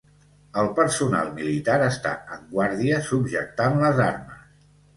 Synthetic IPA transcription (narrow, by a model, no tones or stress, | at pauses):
əlˠpəɾsuna̰lˠmilit̪aɾəst̪a̰əŋɡwaɾðiəsubʒək̚t̪anləzaɾmə̰s